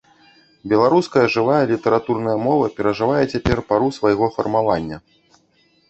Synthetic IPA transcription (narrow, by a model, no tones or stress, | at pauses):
bʲɛlˠaɾuskɐjɐʐɨvajɐlʲit̪ɐɾat̪urnɐjɐmɔvɐpʲɛɾɐʐɨvajɛt͡sʲapʲɛrpaɾusvajɣɔfɐrmavanʲːɐ